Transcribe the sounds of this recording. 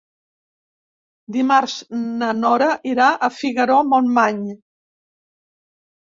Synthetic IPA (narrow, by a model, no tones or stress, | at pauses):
d̪imaɾznənɔɾəʔiɾaʔəfiɣəɾomonmaɲ